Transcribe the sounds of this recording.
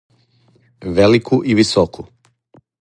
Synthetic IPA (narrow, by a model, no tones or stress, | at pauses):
ʋelikʰuʔiʋisokʰu